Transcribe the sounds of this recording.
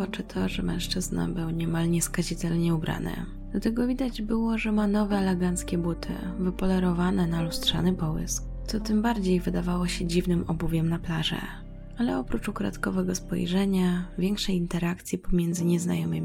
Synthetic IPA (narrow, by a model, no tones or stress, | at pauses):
ɔt͡ʂɘt̪ʰɔʐɛmɛ̰̃w̃ʂt͡ʂɘzna̰bɘwɲɛmalɲɛskaʑit̪ɛlɲɛubɾa̰nɘ̰ | d̪̥lat̪ɛɡɔvʲid̪ad͡ʑbɘwɔʐɛmanɔvɛalɛɡant̪skʲɛbut̪ʰɘ̰vɘpɔlɛɾɔvanɛnalustʂa̰nɘpɔwɘ̰sk̚t̪sɔt̪ɘmbaɾd͡ʑejvɘd̪avawɔɕɛd͡ʑivnɘmɔbuvʲjɛmnaplaʐɛ̰ | alɛɔpɾut͡ʂukɾa̰t̪kɔvɛɡɔspɔ̰jʐɛɲavʲjɛŋkʂɛjint̪ɛɾak̚t̪sʲjipɔmʲjɛnd̪zɘɲɛzna̰jɔmɘmʲii